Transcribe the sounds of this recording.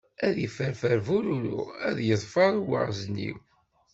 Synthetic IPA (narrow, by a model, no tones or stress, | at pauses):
æðəfəɾfəɾvuɾuɾṵæ̰ðjəðˤfɑɾˤwə̰ʁznḭw